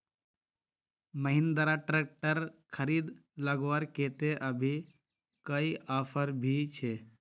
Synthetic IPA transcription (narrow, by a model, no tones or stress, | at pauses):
məɦɪ̃nd̪əɾaʈɾeːk̚ʈəɾkʰəɾiːd̪ləɡʋəɾkeːt̪eʔəbʱi | kəiʔaːfʰəɾbʱit͡ʃʰe